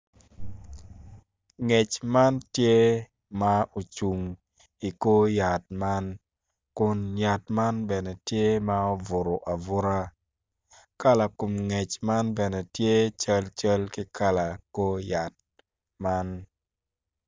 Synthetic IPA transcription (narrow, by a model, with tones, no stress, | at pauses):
ŋe˨t͡ʃma˦ntje˦ | ma˦o˨t͡ʃu˨ŋ | i˨ko˦ja˨t̚ma˦n | kʊ˦nja˨tma˦nbɛ˨nɛ˨tje˦ma˦o˦vʊ˨ɾo˨ʔa˨vʊ˦ɾa˦ | ka˦la˨ko˨mŋɛ˨t͡ʃma˦nbɛ˨nɛ˨tje˦t͡ʃə˦lt͡ʃə˦lki˦ka˦la˨ko˦ja˨t̚ | ma˦n